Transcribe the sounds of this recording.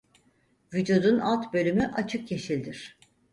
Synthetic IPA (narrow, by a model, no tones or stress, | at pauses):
vyd͡ʒud̪unʔa̰lˠt̪bø̞lʲymyʔat͡ʃʰɯkjeʃilʲd̪iɾ̥